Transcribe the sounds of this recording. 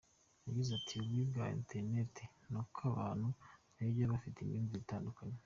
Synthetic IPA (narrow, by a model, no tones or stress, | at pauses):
jaɡizatʰiuβwibɡaːḛntʰeɾnetʰe | nokʰaβaːn̥hunibjaβafiteimjiːnvizitaːndukaɲe